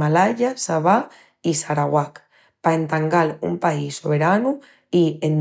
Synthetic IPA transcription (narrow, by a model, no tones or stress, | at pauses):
alaʎasaβa | isaɾaɣwak | paent̪aŋɡalṵmpaisːoβeɾanu | ien